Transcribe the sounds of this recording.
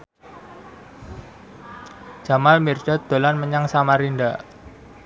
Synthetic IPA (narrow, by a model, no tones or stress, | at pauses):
d͡ʒ̥amalmird̥a̤t̪̚d̪̥o̤lanməɲaŋsamaɾinɖaʔ